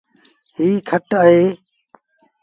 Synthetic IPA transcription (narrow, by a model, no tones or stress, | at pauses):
ɦiːkʰəʈaːɦeː